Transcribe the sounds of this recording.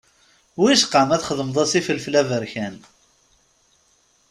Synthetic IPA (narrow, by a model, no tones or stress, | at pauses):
wiʃqəmæθχəðˤəməðˤɑsifəlflævəɾçæn